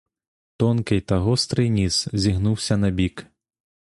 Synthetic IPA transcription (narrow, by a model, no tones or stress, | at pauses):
t̪ɔnkɨjt̪aɣɔst̪ɾɨjnʲiszʲiɣnuwsʲɐnɐbʲik